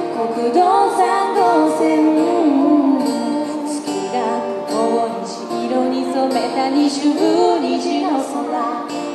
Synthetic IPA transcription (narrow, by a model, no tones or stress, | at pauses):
kokɯd̪osand̪oseɯ | t͡ɕɨ̥kʲiɡaɯkooiɕiiɾoɲ̟isomet̪aɲiɕɨɡɯɾiʑiɾosona